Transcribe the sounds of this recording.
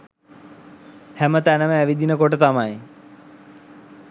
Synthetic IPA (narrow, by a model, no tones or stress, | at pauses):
hɛmət̪ɛnəmẽʋid̪ʱinəkoːʈət̪amae